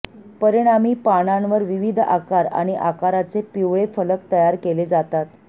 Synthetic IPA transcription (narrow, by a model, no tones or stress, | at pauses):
pəɾiɽ̃amiːpaɽ̃anʋəɾʋiʋid̪ʱʔa̰kaɾa̰ɽ̃iʔa̰kaɾat͡sepiʋɭefələk̚t̪əjaɾkeled͡zat̪at̪